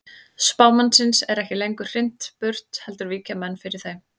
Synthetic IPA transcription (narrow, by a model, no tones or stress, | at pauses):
spaːwmansɪnsɛɾɛhcɪlejŋkʏ̥r̥ɪn̥t̪pʏr̥t̪hɛlt̪ʏɾviːcamɛnːfɪɾɪɾ̥θejm